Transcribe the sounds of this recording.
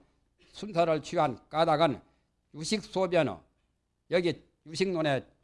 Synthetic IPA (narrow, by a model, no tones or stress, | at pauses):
sʰunsʰʌɾɯɭt͡ɕʰiɦank͈adaɡɯn | juɕʰik̚s͈objʌnʌ̰ | jʌɡi | juɕʰiŋnone